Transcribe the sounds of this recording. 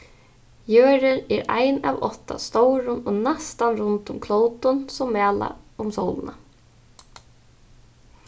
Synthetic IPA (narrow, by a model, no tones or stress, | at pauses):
jøːɾɪɾɛɾa̰jnavɔ̰ht̪ːa̰st̪owɾʊnɔnast̪anɾʊnt̪ʊmkʰlowt̪ʊnsɔmvæːla̰ʊmsowlʊna